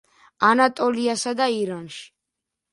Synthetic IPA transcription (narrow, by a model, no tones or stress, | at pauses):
anat̪ʼɔliasad̪aiɾanʃi̥